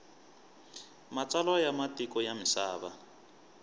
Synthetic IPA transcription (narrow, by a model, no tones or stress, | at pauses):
mat͡salɔjamatikɔjamisaːβa